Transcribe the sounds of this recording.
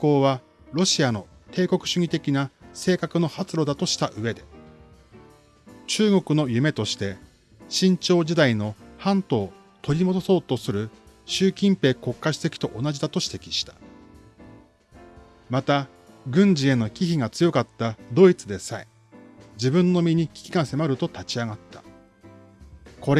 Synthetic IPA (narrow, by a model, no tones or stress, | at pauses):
kːo̞ːβ̞a | ɾo̞ɕiano̞ | t̪e̞ːko̞kɯ̟̥ɕɨɲ̟ʲit̪e̞kʲinase̞ːkakɯ̟no̞hat͡sɨɾo̞d̪at̪o̞ɕi̥t̪aʔɯ̟e̞d̪e̞ | t͡ɕɨːɡo̞kɯ̟no̞jɯ̟me̞t̪o̞ɕi̥t̪e̞ | ɕĩɲ̟t͡ɕo̞ːʑid̪aino̞hãnt̪o̞ː | t̪o̞ɾʲimo̞d̪o̞so̞ːt̪o̞sɨɾɯ̟ | ɕɨːkʲĩmpe̞ːko̞kːaɕi̥t̪e̞kʲi̥t̪o̞ʔonaʑid̪at̪o̞ɕi̥t̪e̞kʲi̥ɕi̥t̪ḁ | mat̪a | ɡɯ̟̃ɲ̟d͡ʑie̞no̞kʲiçiɡat͡sɨjo̞kat̪ːad̪o̞it͡sɨd̪e̞sai | d͡ʑibɯ̟̃nːo̞mʲiɲ̟ikʲi̥kʲi̥kãse̞maɾɯ̟t̪o̞t̪at͡ɕiaɡat̪ːḁ | kʰo̞ɾe